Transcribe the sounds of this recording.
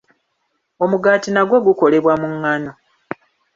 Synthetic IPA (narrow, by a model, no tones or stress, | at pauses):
o̞muɡatinaɡwo̞ɡuko̞le̞βwamuŋːano